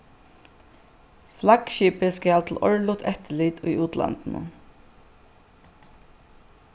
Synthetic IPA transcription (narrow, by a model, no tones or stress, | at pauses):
flakʃiːpəskɛat̪ʰl̩ɔ̰ɹlʊt̪ʰɛht̪əliːt̪ʰʊ̰juːt̪la̰nt̪n̩ə̰